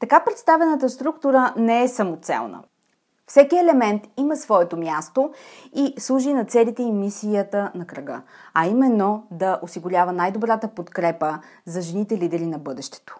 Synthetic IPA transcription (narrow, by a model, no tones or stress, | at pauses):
t̪ɐkapɾɛt̪st̪avɛnət̪əst̪ɾukt̪uɾənɛɛsɐmot̪sɛ̰lˠnə̰ | fsɛkiɛlɛmɛnt̪iməsvɔɛt̪omʲjast̪oislˠuʒinɐt̪sɛlit̪ɛimisijət̪ənɐkɾɐɡɤ̰ɐimɛnːod̪ɐʔosiɡʊɾʲavənajd̪obɾat̪əpot̪kɾɛpə | zɐʒɛnit̪ɛlid̪ɛɾinɐbɤd̪ɛʃt̪ɛ̥t̪o̥